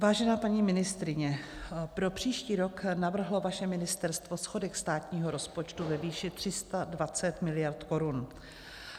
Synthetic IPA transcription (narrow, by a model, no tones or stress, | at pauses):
vaːʒɛnaːpaɲiːmɪnɪst̪ɾɪɲɛpɾo̞pr̝̥iːʃciːɾo̞knavr̩ɦlo̞vaʃɛmɪnɪst̪ɛɾst̪vo̞sxo̞dɛkst̪aːt̪ɲiːɦo̞ɾo̞spo̞t͡ʃt̪uvɛviːʃɪt̪r̥ɪst̪advat͡sɛt̪mɪlɪjaɾt̪ko̞ɾun